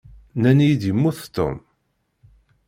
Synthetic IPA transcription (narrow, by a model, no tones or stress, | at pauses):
nænjid̪jəmːuθt̪ːo̰m